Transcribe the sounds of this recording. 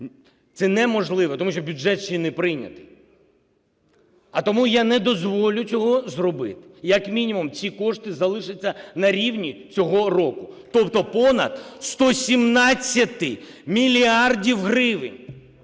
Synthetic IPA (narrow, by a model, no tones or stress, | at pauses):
t̪sɛnɛmɔʒlˠɪʋɔt̪ɔmuʃt͡ʃɔbʲud͡ʒɛt̪t͡ʃinɪpɾɪnʲɐ̰t̪ɪj | ɐt̪ɔmujanɛd̪ɔzʋɔlʲʊt͡sʲɔɦɔzrɔbɪ̰t̪ɪ̥jɐkmʲinʲimumt͡sʲikɔʂt̪ɪzɐlˠɪʃɪt͡sʲːɐnɐɾʲiwnʲit͡sʲɔɦɔrɔkʊt̪ɔpt̪ɔpɔnɐ̰d̪st̪ɔsʲimnɑt͡sʲːɐt̪ɪmʲilʲiardʲiwɦɾɪʋɪ̰nʲ